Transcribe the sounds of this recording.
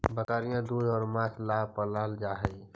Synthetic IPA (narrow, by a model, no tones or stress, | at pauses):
bəkaːɾijãd̪uːjɔːɾmãːt̪ʰlaɦpəlaːld͡ʒaːɦəi